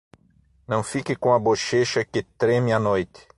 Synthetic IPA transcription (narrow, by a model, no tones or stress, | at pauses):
nɐ̃w̃fikɪkõɐboʃeʃɐkɪt̪ɾɛmɪɐnojt̪ɪ̥